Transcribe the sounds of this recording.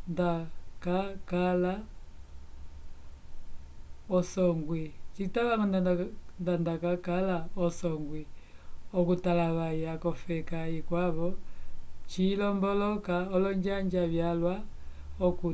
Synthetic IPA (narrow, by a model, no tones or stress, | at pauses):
ndakakala | ɔsɔŋɡwit͡ʃitaβaŋɔndandandakakalaɔsɔŋɡwi | ɔkutalaβajakɔfɛkaikwaβɔ | t͡ʃilɔmbɔlɔkaɔlɔɲd͡ʒaɲd͡ʒaβjalwa | ɔku